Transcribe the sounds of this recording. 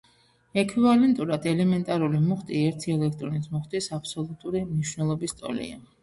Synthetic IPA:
ɛkʰvivalɛnt̪ʼuɾad̪ɛlɛmɛnt̪ʼaɾulimuχt̪ʼiɛɾt̪ʰiɛlɛk̚ʰt̪ʼɾɔnisʰmuχt̪ʼisapʰsɔlˠut̪ʼuɾimniʃwnɛlˠɔbist̪ʼɔ̰lḭa

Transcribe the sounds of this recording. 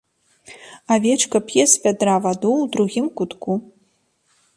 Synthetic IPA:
avʲet͡ʃkɐpjɛspʲɛd̪ravad̪uwd̪ɾuɣʲimkʷut̪kʰu

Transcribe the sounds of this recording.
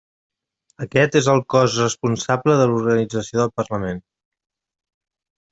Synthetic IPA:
əkɛt̪ezəlˠkɔzrəspunsabləðəluɾɣənid͡zəsioðəlˠpərləmen

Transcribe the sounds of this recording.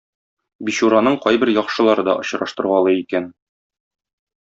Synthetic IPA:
biɕuɾɑnɤɴqɒjbɘɾjɒqʃɤ̆lˠɑɾɤd̪ɒʔŏɕɾɑʃt̪ɤ̆ɾʁɑlˠɤikæn

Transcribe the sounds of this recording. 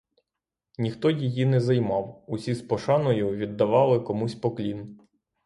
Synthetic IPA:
nʲixt̪ɔjijinɛzɐjmɑwʊsʲispɔʃɑnɔjʊʋʲid̪ːɐʋɑlˠɪkɔmusʲpɔklʲin

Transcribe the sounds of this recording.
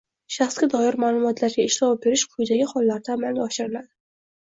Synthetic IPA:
ʃaχsɡʲad̪ɒjɪɾmaːlˠʊmɒt̪ʰlaɾɡʲaɪʃlawp̚be̞ɾɪʃqʰʊjɪd̪aɡʲɪχɒlˠːaɾd̪aːmalnʲaɒʃɪɾɪlad̪ɪ

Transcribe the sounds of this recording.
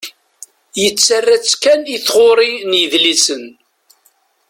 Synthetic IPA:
jət͡sːərːæt͡sːkæniθʁoɾˤinjəðlisən

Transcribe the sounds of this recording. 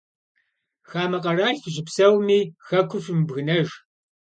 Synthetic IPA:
xaːmɐqɐraːɬʒɪpsɐwmiːxɐkʷʰʊfmbɣɨnɐʒ

